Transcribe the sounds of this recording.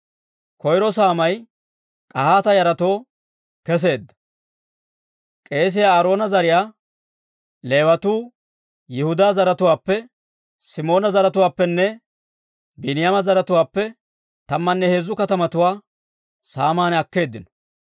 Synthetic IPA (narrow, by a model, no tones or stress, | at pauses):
kɔjɾɔsaːmɐj | kʼɐhaːt̪ɐjɐɾɐt̪o̞ː | kɛs̬e̞ːd̪ːɐ̥ | kʼe̞ːs̬ɪjaːɾo̞ːnɐzɐɾɪjaː | le̞ːwɐt̪uː | jɪhʊd̪aːzɐɾɐt̪ʊwaːpːɛ | sɪmo̞ːnɐzɐɾɐt̪ʊwaːpːɛnːɛ | bɪnɪjamɐzɐɾɐt̪ʊwaːpːɛ | t̪ɐmːɐnːɛheːzːʊkɐt̪ɐmɐt̪ʊwaː | saːmaːnɐkːe̞ːd̪ːɪnɔ̥